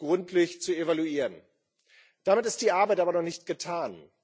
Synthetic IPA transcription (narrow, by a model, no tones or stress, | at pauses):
ɡ̥ʁʊntʰlɪçt͡suevaluiːʁən | d̥amɪtɪstd̥iːʔaɐbaɪtʔaːbɐnɔχnɪçt̚ɡ̥ətʰaːn